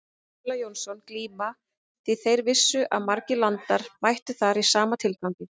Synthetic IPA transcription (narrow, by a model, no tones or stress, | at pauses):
lajownsɔnkliːma | θiθejɾvɪsːʏʔaðmaɾcɪlant̪aɾ̥vajht̪ʏθaɾisaːmat̪ʰɪlkawŋcɪ